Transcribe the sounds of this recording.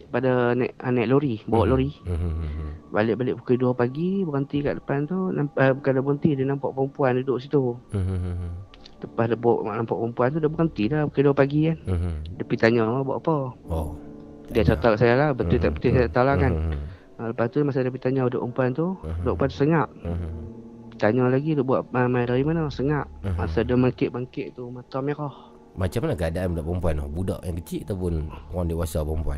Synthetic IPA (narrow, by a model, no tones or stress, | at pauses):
padənaʔanaʔloɾibaɔʔloɾi | ba̰lɪʔbalɪʔbukiduəpaɡibəɣənt̪ika̰ʔdəpant̪unampəbukandabəɣənt̪idənampa̰ʔpəmpuandudoʔsit̪u | t̪əpahdəbɔ̰ʔa̰ʔnampaʔpəmpuant̪udabəɣənt̪idabukiduəpaɡikandəpit̪aɲaabɔ̰ʔapə | diat͡ʃət̪alaʔsajalabət̪ut̪aʔbət̪usajt̪alakan | ələpast̪ulamas̬adəpit̪aɲauda̰ʔpəmpuant̪uudɔʔpuant̪u̥səŋaʔ | t̪aɲɔlaɡidoʔbuaʔmadaɾimanəsəŋaʔmasadəmaŋkɪʔbaŋkɪʔt̪umat̪ɔmɛkɔh | mat͡ʃamalakəadaanbudaʔpəmpuanbuda̰ʔjaŋkət͡ʃiʔat̪apʊnkuaŋdiwasapəmpua̰n